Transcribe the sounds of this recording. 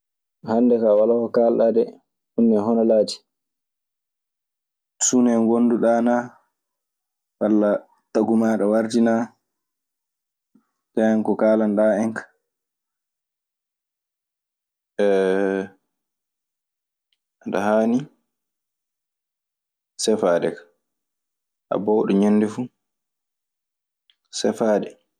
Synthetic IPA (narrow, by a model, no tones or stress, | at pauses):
hanːdɛkawalakɔkalɗadɛ | hunːɛɦɔnɔlaːd͡ʒi̥ | sunɛŋɡonduɗaːna | walːa | taɡumaːɗawaɾd͡ʒina | taankɔkaːlandaːɛŋkḁ | ɛ | ʔaɗa̰haːni | sɛfaːɗɛ̰kḁ | ʔa̰bɔwɗɔɲonːdɛfu | sɛfaːɗɛ